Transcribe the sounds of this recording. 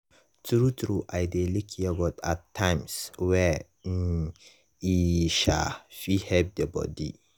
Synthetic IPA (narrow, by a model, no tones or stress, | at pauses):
tuɾutuɾuʔajdelikʰijɛɡɔtatʰːãjmswɛ | iʃa̰fihɛb̚dɛbɔ̰dḭ